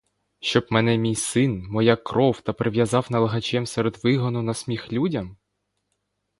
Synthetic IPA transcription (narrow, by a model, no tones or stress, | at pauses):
ʃt͡ʃɔbmɛnɛmʲijsɪnmɔjakːɾɔwt̪ɐpɾeʋʲjɐzɑwnɐlˠɐɦɐt͡ʃɛmsɛɾed̪ʋɪɦɔnʊnɐsʲmʲixlʲudʲɐm